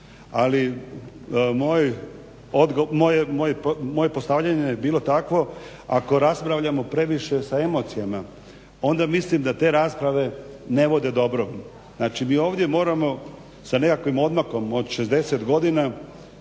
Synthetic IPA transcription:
ali | moj | od̪ɡomojemojepmo̞je̞po̞st̪aʋʎaɲejebiːlˠo̞t̪akʋo̞ | ako̞ɾaspɾaʋʎamo̞pɾe̞ʋiʃe̞sae̞mo̞t̪sijama | o̞nd̪amislimd̪at̪e̞ːɾaːspɾaʋe̞ne̞ʋo̞d̪e̞d̪o̞bɾoʋ | znaːt͡ʃimiːo̞ːʋd̪ʲje̞mo̞ːɾamo̞ | sane̞kakʋimo̞d̪mako̞mo̞d̪ʃezd̪e̞se̞t̪ɡo̞d̪ina

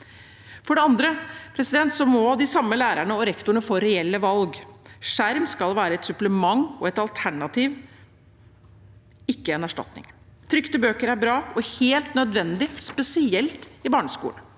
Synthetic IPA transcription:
fɔɖɛɑnd̪ɾəpʰɾɛsɪd̪ɛnt̪sɔmɔd̪ɪsɑmːəlæːɾæɳəɔɾɛkt̪ʊɳəfoːɾɛɛlːəʋɑlɡʂæɾmskɑlʋæːɾəɛt̪sʉpləmɑŋːɔɛt̪ɑlt̪ʰæɳɑt̪ʰiːʋ | ɪkːəɛnæʂʈɑ̰t̪nɪ̰ŋt̪ʰɾʏkt̪əbøːkəɾæɾbɾɑːɔheːlt̪nœd̪ʋɛnd̪ɪspɛsɪɛlt̪ɪbɑːɳəskṵː

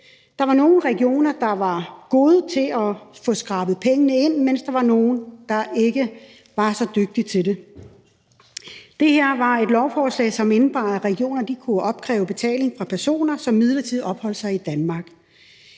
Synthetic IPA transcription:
d̥ɑ̈ʋɑ̈no̝ːn̩ʁɛɡ̥io̝̰ːnɐd̥ɑ̈ʋɑ̈ɡ̥o̝ːð̞ˠt͡sʰe̝ɒfɔ̽ːsɡ̥ʁɑ̈ːb̥ð̩ˠpʰeŋənəe̝n̰men̰sd̥ɑ̈ʋɑ̈no̝ːn̩d̥ɑ̈ʔe̝ɡ̥ə | ʋɑ̈sɒ̽d̥øɡ̥̚d̥it͡sʰe̝d̥e̝ | d̥e̝heɐ̰ʋɑ̈e̝d̥lɒʊfɒːslɛ̰ɪsɒ̽menb̥ɑ̈ːæʁɛɡ̥io̝̰ːnɐd̥ikʰuɒ̽b̥̚kʰʁɛ̰ːʊb̥e̝t͡sʰɛ̰ːle̝ŋfʁɑ̈pʰæɐso̝̰ːnɐsɒ̽mːið̞ˠlɐt͡sʰið̰ˠɒ̽b̥hɒ̽l̰sɑ̈ɪid̥ænmɑ̈ɡ̥

